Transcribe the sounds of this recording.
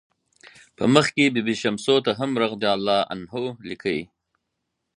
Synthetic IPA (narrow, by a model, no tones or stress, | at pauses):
pə̰məxkebibiʃamsot̪aɦamɾaɣd̪ɑːlːɑːʔa̰nɦolikʰəḭ